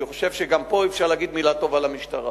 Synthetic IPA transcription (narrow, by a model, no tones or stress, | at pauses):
iχoʃe̞vʃeɡampo̞ifʃaʁlaɡid̪milat̪o̞valamiʃt̪aʁa